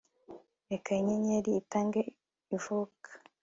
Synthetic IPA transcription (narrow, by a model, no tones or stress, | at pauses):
ekaiɲeɲeɾiːtaːŋɡe | ivukʰḁ